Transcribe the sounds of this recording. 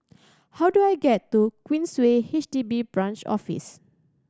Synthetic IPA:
hawduajɡɛtːukwĩnswehiʃdibibɹãnt͡ʃɔ̰fḭs

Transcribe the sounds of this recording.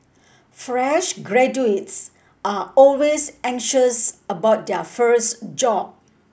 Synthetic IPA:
fɹɛʃɡɹɛd͡ʒuets | ʔaɔlwesɛ̃ŋʃəsəbaʊt̚dɛəfəsd͡ʒɔb̚

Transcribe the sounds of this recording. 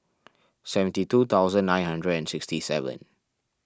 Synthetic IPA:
sɛvə̃ntitut̪ʰawzə̃nːãɪjnhãndɹədɛ̃nsɪkstisɛ̰və̰̃n

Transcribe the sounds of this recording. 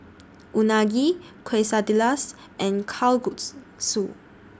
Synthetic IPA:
ʔunaɡi | kʰwesadilas | ʔɛ̃nkʰalɡut | su

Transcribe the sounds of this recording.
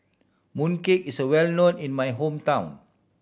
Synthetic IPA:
mũnkekisəwɛlnõnĩnmajɦõmtãw̃n

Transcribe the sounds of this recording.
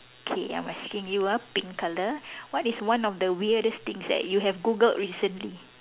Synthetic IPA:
okʰeã̰jmaskɪ̃ŋjuapĩŋkaləwɔtiswãnɔfdəwiədəst̪ɪ̃ŋsdɛ̰t̚juɦɛvɡuɡəltɹisə̃nli

